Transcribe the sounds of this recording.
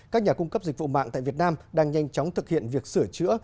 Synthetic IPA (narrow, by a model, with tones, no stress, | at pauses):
kaː˦˥k̚ɲaː˨˩kʊ˧ŋ͡mkə˦˥p̚zi˨˩k̚vṵ˧˨ma̰ː˧˨ŋt̪a̰ː˧˨jvi˨˩ət̚naː˧mɗaː˧ŋɲa˧jŋt͡ɕɔ˨˦wŋ͡mt̪ʰɨ˨˩k̚hḭ˧˨ənvi˨˩ək̚sɨ˧˩ət͡ɕɨ̰˧˥ə